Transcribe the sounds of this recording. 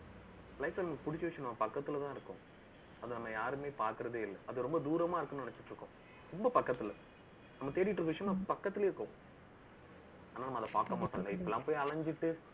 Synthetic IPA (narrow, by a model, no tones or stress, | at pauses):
lɐɪsɐnɐmɐkːɯ̥pʊɽɪt͡ʃːʋɪʂɐ̃nɐmːɐpɐkːɐt̪ːɯɪlt̪ãːɪɾɯkːʊ̰̃ | ɐðɯnɐmːɐjaːɾɯmeːpaːɾkɯɾɐðeːɪlːɛʔɐðɯɾɔmbɐd̪uːɾɐmãːɪɾɯkːɯnnɛnɐt͡ʃːɪʈːɾɯkːʊ̰̃ | tɔmbɐpɐkːɐt̪ːɪlɐ | nɐmːɐt̪eːɾɪjɪʈːrɯkːɐʋɪʂɐjɐ̃mnɐmɐpɐkːɐt̪ːɪleːɪɾɯkːʊ̃ | aːnːaːnɐmːɐðɐpaːɾkːɐmaːsɐlɡɐɪpːɐɛlːãːpoːjɐɭɐɲd͡ʒɪʈːɯ